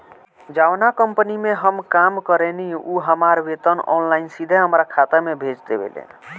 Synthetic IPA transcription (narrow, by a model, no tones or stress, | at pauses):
d͡ʒawnakəmpənimeɦəmkamkəɾeniʔuɦəmaɾbet̪ənɔ̰nlainsid̪ʱeɦəmɾakʰat̪əmebʱed͡ʒt̪ebḛlḛn